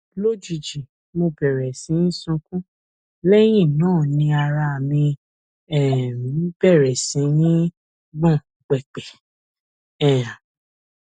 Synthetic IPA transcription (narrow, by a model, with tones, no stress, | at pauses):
lo˦d͡ʒui˨d͡ʒi˨ | mo˧bɛ˨ɾɛ˨sĩ˨˦n̩˦sũ˧kũ˦ | lɛ˦j̃ĩ˦˨nãː˦˨nĩ˧a˨ɾa˧a˨mĩ˧ | ɛ̃˨ĩ˦b̥ɛ˦˨ɾɛ˨sĩ˨˦nĩ˦ | ɡ͡bɔ̃˦˨k͡pɛ˨k͡pɛ˨ | ɛ̃˦˨ã˨